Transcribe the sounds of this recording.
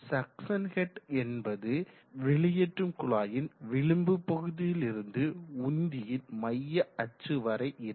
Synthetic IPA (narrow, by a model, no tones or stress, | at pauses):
sɐksɐnɣɛʈɛnbɐðɯ | ʋɪɭɪjɛʈrɯmkʊɭaːjɪnʋɪɭɯmbɯpːɔɣɯðɪjɪlɪɾɯnd̪ɯʊnd̪ɪjɪnmɐjːɐɐt͡ʃːɯʋɐɾɐɪʔɪɾ